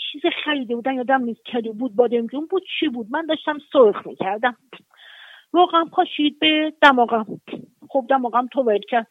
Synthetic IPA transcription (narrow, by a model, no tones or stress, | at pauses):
t͡ʃʰiːzeχæɾiːd̪ebuːd̪æmjɒːd̪æmniːskʲʰæɾd̪ibuːd̪̚bɒːd̪emd͡ʒunbud̪̥̚t͡ʃʰibuːd̪̚mænd̪ɒːʃt̪æmsoɾχmḭːcʰæɾd̪æm | vɒːɣææmpʰɒʃid̪̚bed̪̥æmɒːɣæmχob̚d̪æmɒɣæmt̪ʰovæɾed̪cʰæɾd̪̥